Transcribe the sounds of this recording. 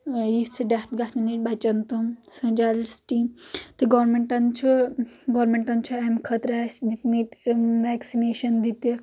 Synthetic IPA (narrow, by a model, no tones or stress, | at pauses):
jit͡sʰɨɖat̪ɡasnɐnit̚ʲbat͡ʃɐnt̪umsɐ̃d͡ʒalsʈit̪ɨɡɐɾmeɳʈɐnt͡ʃʰuɡɐʋɾmeɳʈɐnt͡ʃʰuamkʰɐt̪ɾasd̪it̪mitʲʋaksineːʃɐnd̪it̪i